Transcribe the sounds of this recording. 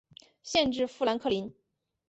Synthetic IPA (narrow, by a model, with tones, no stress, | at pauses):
ɕjɛ˥˧nʈ͡ʂɻ̩˥˧fu˥˩la˧˥nkʰɤ˥˩li˧˥n